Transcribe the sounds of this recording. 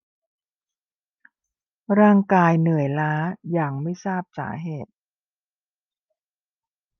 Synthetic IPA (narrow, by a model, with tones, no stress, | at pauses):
ɾaː˥˩ŋkaː˧jnɯ˨˩˦əjlaː˦˥jaː˨˩ŋma˥˩jsaː˥˩p̚sa̰ː˩˦ɦeː˨˩t̪̚